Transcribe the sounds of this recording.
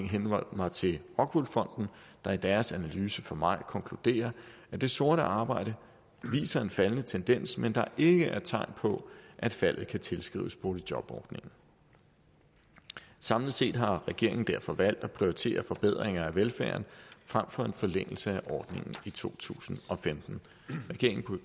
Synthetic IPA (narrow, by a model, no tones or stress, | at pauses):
ŋɦenʋɒ̰d̥mɑ̈ɪt͡sʰe̝hɒ̽ɡ̥ʋulfɒ̽n̰d̥n̩ | d̥ɑ̈id̥æɐsænælyːsəfɒ̽mɑ̈ɪkʰɒ̽ŋkʰlud̥e̝̰ːɐ | æd̥e̝so̝ɐɾəʔɑ̈ːb̥ɑ̈ɪ̰ɾ̥ə | ʋḭːsɐe̝nfælənət͡sʰend̥en̰smend̥ɑ̈ʔe̝ɡ̥əʔæɐt͡sʰɑ̈ɪ̰npʰɒ̽ʔæd̥fæl̰ð̞̩ˠkʰæt͡sʰe̝lsɡ̥ʁḭːʊəsb̥o̝ːli̥jɒ̽b̥ɒ̰ːd̥ne̝ŋn̩ | sɑ̈mləð̩ˠse̝̰ːd̥ɦɑ̈ʁɛɡ̥e̝ɐ̰eŋn̩d̥æɐ̰fɒ̽ʋæl̰d̥ɒ̽pʰʁioit͡sʰe̝̰ːɐfɒ̽b̥eð̞̰ˠʁeŋɐæʋelfæːɐn̩fʁam̰fɒ̽e̝nfɒ̽leŋ̰l̩səæʔɒːd̥ne̝ŋn̩it͡sʰo̝̰ːt͡sʰṵːsn̩ɒ̽femd̥n̩ | ʁɛɡ̥e̝ɐeŋʰ